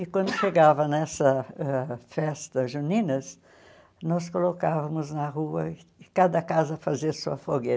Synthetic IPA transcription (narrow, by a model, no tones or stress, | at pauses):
ɪkwɐ̃nd̪ʊʃeɡavɐnɛsɐɛfɛst̪ɐʒunĩnɐs | nɔskolokavɐmʊznɐʁuɐɪɪkad̪ɐkazɐfaziɐsuɐfoɡe